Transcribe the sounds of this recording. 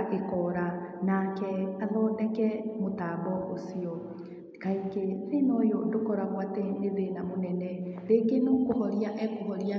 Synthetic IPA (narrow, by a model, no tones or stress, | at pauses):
ʔekɔɾanakɛaðɔndɛkɛmotaːbɔʔosiɔ | kaikeðenɔjɔndokɔɾaɣwatɛeðenamonɛnɛɾeɡenokohɔɾiaʔɛkohɔɾia